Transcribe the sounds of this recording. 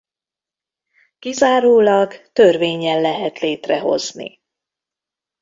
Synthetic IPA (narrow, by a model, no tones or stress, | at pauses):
kizaːɾoːlɒɡt̪ørveːɲɛnlɛɦɛt̪leːt̪rɛɦo̞̰znḭ